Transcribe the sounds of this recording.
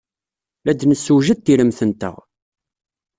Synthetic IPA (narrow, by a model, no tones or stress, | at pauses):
læd̪nəsːuʒəd̪̚t̪ːiləmθənt̪ə̰ʁ